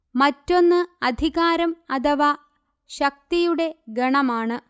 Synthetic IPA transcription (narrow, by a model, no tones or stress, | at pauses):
mɐtːo̞nːɨɐd̪ʱiɣaːɾɐmɐt̪ʰɐʋa | ɕɐk̚t̪ijuɽe̞ɡɐɳɐmaːɳɨ